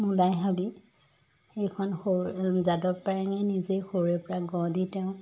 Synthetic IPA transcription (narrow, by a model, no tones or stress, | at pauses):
mulajɦabi | xejkʰɔnxozadɔt̚pajaŋɛnizejxoɹɛpɔɹaɡɔ̃ditɛʊ̃